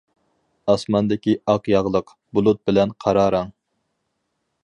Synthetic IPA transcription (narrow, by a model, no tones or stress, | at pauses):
ɑsmɑnd̪ɪkʲiɑqjɑʁlˠəq | bulˠut̪̚bɪlɛnqʰɑɾɑːɾɑŋ